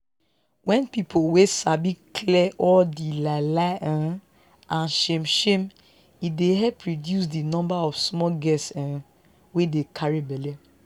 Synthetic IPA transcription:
wɛ̃npipʰowesabikʰlɛʔɔldilalaʔɛ̃ | ʔãnʃemʃẽm | ideɦɛpːɹodjus̬dinɔ̃mbaɔfsmɔɡɛsɛ̃ | wedekʰaɹibɛle

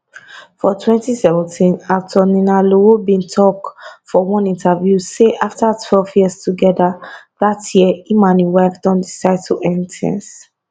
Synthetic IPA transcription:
fɔtʰwɛ̃ntisɛvɛ̃ntʰĩnaftʰɔninaloobĩntʰɔkfɔwɔ̃nĩntavjuseʔaftatʰwɛlvjiəstuɡɛdaðatʰjiimãnĩwaɪfd̥ɔ̃ndisaɪd̚tʰuʔɛnitʰɛ̰̃ns

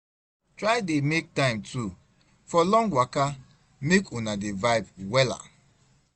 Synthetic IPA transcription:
tɹaɪdemek̚tãɪ̃mtʰu | fɔlɔ̃ŋɡwaka | mekʰunadevaɪbwɛla̰

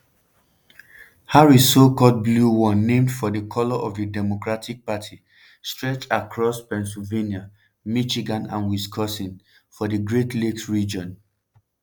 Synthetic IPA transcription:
haɹisokɔt̚bluwɔnẽmdfɔdəkʰɔlɔʔɔvədɛmokɹatʰik̚patʰi | stɹɛt͡ʃakʰɹɔspɛ̃nsilvenia | mit͡ʃiɡãnã̰nwiskʰɔsĩn | fɔdəɡɹetleksɹid͡ʒɔ̃n

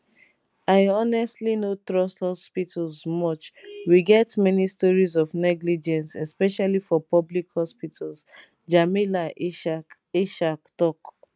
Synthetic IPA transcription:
aɪɔnɛstlinot̪ɹɔsthɔspitʰalsmɔt͡ʃwiɡɛtmɛnistɔɹizɔvnɛɡlid͡ʒɛ̃nsɛspɛʃalifɔpɔblikhɔspitʰals | d͡ʒamila | iʃaktɔk

